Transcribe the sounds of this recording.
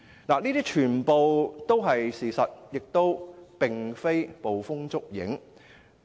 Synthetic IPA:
laː˨˩niː˥t̪iː˥t͡ʃʰyː˨˩npo˨wt̪o˥wɦɐ˨jsiː˨˩sɐ˨t̚jɪ˨k̚t̪o˥wpɪ˨ŋfe˥jpo˨wfʊ˥ŋt͡sʊ˥k̚jɪ̰˨˥ŋ

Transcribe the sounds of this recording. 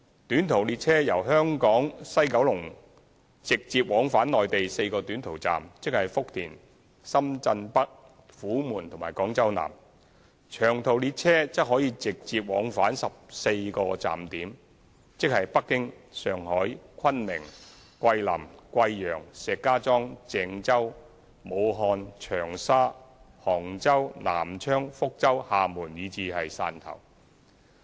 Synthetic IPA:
t̪yː˨˥nt̪ʰo˨˩wliː˧t̚t͡sʰɛː˥jɐ˨˩wɦœː˥ŋkɔː˨˥ŋsɐ˥jkɐ˨˥wlʊ˨˩ŋ | t͡sɪ˨k̚t͡siː˧p̚wɔː˨˥ŋfaː˨˥nːɔː˨jt̪e˨jse˧jkɔː˧t̪yː˨˥nt̪ʰo˨˩wt͡sa̰ː˨mt͡sɪ˥k̚hɐ˨˩jfʊ˥k̚t̪ʰiː˨˩n | sɐ˥mt͡sɐ˧npɐ˥k̚ | fuː˨˥muː˨˩nt̪ʰʊ˨˩maː˨˩kɔː˨˥ŋt͡sɐ˥wna̰ː˨˩m | t͡ʃʰœː˨˩ŋt̪ʰo˨˩wliː˧t̚t͡sʰɛː˥t͡sɐ˥k̚ɦɔː˨˥jiː˨˧t͡sɪ˨k̚t͡siː˨p̚wɔ̰ː˨˥ŋfaː˨˥nsɐ˨p̚se˧jkɔː˧t͡sa̰ː˨˩mt̪iː˨˥m | t͡sɪ˥k̚hɐ˨jpɐ˥kːɪ˥ŋsœː˨˩ŋhɔː˨˥jkʰɐ˥nmɪ˨˩ŋ | kʷɐ˧jlɐ̰˨˩mkʷɐ˧jjœː˨˩ŋsɛː˨˧kːaː˥t͡sɔː˥ŋt͡sɛː˨˧ŋt͡sɐ˥w | mo˨˧wɦɔː˧nt͡ʃʰœː˨˩ŋsaː˥ | hɔː˨˩ŋt͡sɐ˥wna̰ː˨˩mt͡ʃʰœː˥ŋfʊ˥k̚t͡sɐ˥whaː˨muː˨˩njiː˨˧t͡siː˨˧hɐ˨jsa̰ː˧nt̪ʰɐ̰˨˩w

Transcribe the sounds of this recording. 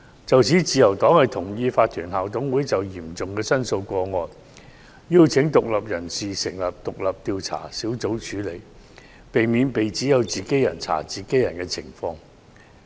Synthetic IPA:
t͡sɐ˨wt͡sʰiː˨˥t͡siː˨˧jɐ˨˩wt̪ɔː˨˥ŋhɐ˨jt̪ʰʊ˨˩ŋjiː˧faː˧t̚t̪ʰyː˨˩nɦaː˨wt̪ʊ˨˥ŋwuː˨˥jt͡sɐ˨wjiː˨˩mt͡sʊ˨ŋkɛː˧sɐ˥nso˧wkʷɔː˧ŋɔː˨nː | iː˥wt͡sʰɪ˨˥ŋt̪ʊ˨k̚lɐ˨p̚jɐ˨˩nsiː˨sɪ˨˩ŋlɐ˨p̚t̪ʊ˨k̚lɐ˨p̚t̪iː˨˧wt͡sʰa̰ː˨˩siː˨˥wt͡so˨˥wt͡ʃʰyː˨˥le˨˧j | pe˨jmiː˨˧npe˨jt͡siː˨˥jɐ˨˧wt͡siː˨ke˨˥jɐ̰˨˩nt͡sʰa̰ː˨˩t͡siː˨ke˨˥jɐ˨˩nkɛː˧t͡sʰɪ̰˨˩ŋfɔː˧ŋ

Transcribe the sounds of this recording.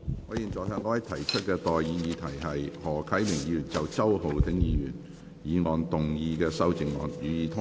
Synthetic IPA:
ŋɔː˧jiː˨˩nt͡sɔː˨jt̪ʰɛː˨˧˥ŋkɔː˧wɐ˨˥jt̪ʰɐ˨˩jt͡ʃʰɵ˥t̚kɛː˧t̪ɔː˨jjiː˨˧jiː˨˧t̪ʰɐ˨˩jɦɐ˨jhɔː˨˩kʰɐ˨˥jmɪ˨˩ŋji˨˧jyː˨˩nt͡sɐ˨wt͡sɐ˥who˨wt̪ʰɪ˨˥ŋjiː˨˧jy̰ː˨˩n | jiː˨˧ŋɔː˨˩nt̪ʊ˨ŋjiː˧kɛː˧sɐ˥wt͡sɪ˨˩ŋŋɔ̰ː˨˩njyː˨˧jiː˨˧t̪ʰʊ˥

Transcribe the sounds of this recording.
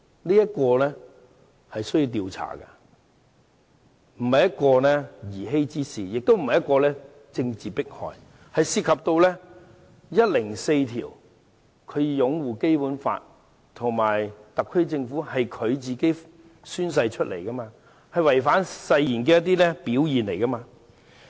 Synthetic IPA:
liː˥jɐ˥t̚kɔː˧lɛː˥ | hɐ˨jsə˥ji˧wt̪̬iː˧wt͡sʰa̰ː˨˩kɐ̰˧ | m̩˨˩hɐ˨jɐ˥t̚kɔː˧lɛː˥jiː˨˩ɦe˥jt͡siː˥siː˨jɪ˨k̚t̪o˥wm̩˨hɐ˨jɐ˥t̚kɔː˧lɛː˥ | t͡sɪ˧ŋt͡siː˨pɪ˥k̚hɔ̰ː˨j | hɐ˨jsiː˧t̚kʰɐ˨p̚t̪o˧wlɛː˥ | jɐ˥t̚lɪ˨˩ŋse˧jt̪ʰḭː˨˩w | kʰɵ˨˧ɥjʊ˨˥ŋwuː˨ke˥jpu˨˥nfa̰ː˧t̚ | t̪ʰʊ˨˩ŋmaː˨˩jt̪ɐ˨kʰːɵ˥ɥt͡sɪ˧ŋfu˨˥hɐ˨jkʰɵ˨˧ɥt͡siː˨ke˨˥j | syː˥ns̬ɐ˧jt͡ʃʰɵ˥t̚lʔḛ˨˩jkɐ˥maː˧ | hɐ˨jwɐ˨˩jfaː˨˥nsɐ˧jjiː˨˩nk̬ɛː˧jɐ˥t̪̬iː˥lɛː˥piː˨˥wjiː˨nle˨˩jkɐ˥maː˧

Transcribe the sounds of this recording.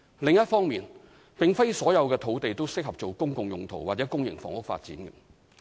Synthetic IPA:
lɪ˨ŋjɐ˥t̚fɔː˥ŋmiː˨n | pɪ˨ŋfe˥jsɔː˨˥jɐ˨˧wkɛː˧t̪ʰo˨˥wt̪e˨jt̪o˥wsɪ˥k̚hɐ˨p̚t͡ʃo˨wkʊ˥ŋkʊ˨ŋjʊ˨ŋt̪ʰo˨˩waː˨t̚t͡sɛː˨˥kʊ˥ŋjɪ̰˨˩ŋfɔ̰ː˨ŋhʊ˥kfa̰ː˧t̚t͡siː˨˥nkɐ˧

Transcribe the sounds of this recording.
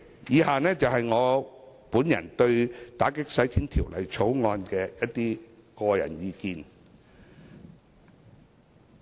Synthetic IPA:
jiː˨˧haː˨nɛː˥t͡sɐ˨whɐ˨jŋɔː˨˧ | puː˨˥njɐ̰˨˩nt̪ɵ˧ɥt̪aː˨˥kɪ˥k̚sɐ˨˥jt̪ʰiː˥nt̪ʰiː˨˩wlɐ̰˨˩jt͡sʰo˨˥wŋɔː˧nkɛː˧jɐ˥tt̪iː˥kɔː˧jɐ̰˨˩njiː˨˧kiː˨n

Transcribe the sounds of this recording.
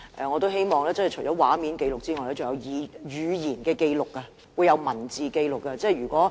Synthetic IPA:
ʔɛ̰˨˧ŋɔː˨˧t̪o˥whe˥jmɔː˨ŋlɛː˥t͡sɐ˥nhjt͡ʃʰɵ˨˩jt͡ɕɔː˨˥waː˨˥miː˨˥nke˧jlʊ˨k̚t͡siː˥ŋɔː˨jlɛː˥t͡sʊ˨˩jɐ˨˧wjiː˨˧jyː˨˧jiː˨˩nkɛː˧ke˧jlʊ˨kːɐ˧ | wuː˨˧jːɐ˨˧wmɐ˨˩nt͡siː˨ke˧jlʊ˨kːɐ˧t͡sɛː˥˩˨jɥyː˨˩kʷɔː˨˥

